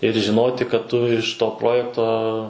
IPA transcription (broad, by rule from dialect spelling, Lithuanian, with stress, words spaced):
ɪr ʒʲɪˈnoːtʲɪ kɐt ˈtʊ ɪʃ ˈtoː ˈproːjɛktoː